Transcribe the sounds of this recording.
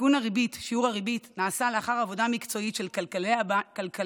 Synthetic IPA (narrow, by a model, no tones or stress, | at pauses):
unaʁibitʃiuʁaʁibitnaːsaleaχaʁavo̞damikt͡so̞itʃe̞lkalkalka